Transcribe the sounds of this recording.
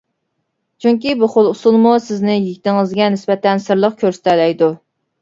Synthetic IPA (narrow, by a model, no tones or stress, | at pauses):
t͡ʃʰyŋkʲibuχolˠusulˠmusɪznɪjeɡʲit̪ɪŋɨzɡʲɛnɪsbɛt̪ʰɛnsɨɾlˠəqkʲʰøɾsɪ̥t̪ʰɛlɛjd̪u